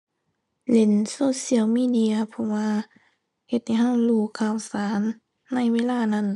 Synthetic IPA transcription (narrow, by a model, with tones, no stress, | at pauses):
le˧˦nsoː˧˥˨si˧˨əwmiː˧˨di˧ɐ˧pʰɔ˧waː˧ | he˧t̪̚ha˧jɦa˧˥˨wluː˧˩kʰaː˧˩˨wsaː˨˦nː | a˧˥˨jweː˧˥˨laː˧˨na˧˥˨n